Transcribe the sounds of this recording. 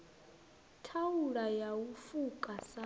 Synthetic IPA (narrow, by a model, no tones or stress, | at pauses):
tʰauɺajawufukʼasa